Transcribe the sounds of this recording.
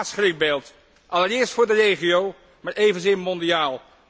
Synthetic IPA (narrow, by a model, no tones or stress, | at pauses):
sχrɪk̚beːlˠt | ʔɑləɾɪːɹstfʊːɹdərejχiow | maːɹejvənzɪmɔndiaːlˠ